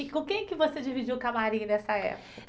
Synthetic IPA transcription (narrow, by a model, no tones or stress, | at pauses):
kõkẽj̃ɛkɪvosed͡ʒivid͡ʒiwkamaɾĩɐnɛsɐɛ̰pʊkɐ